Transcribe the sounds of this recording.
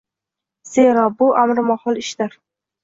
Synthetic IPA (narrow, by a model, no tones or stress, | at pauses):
seɾɒbʊʔamɾmɒhɒlˠɪʃd̪aɾ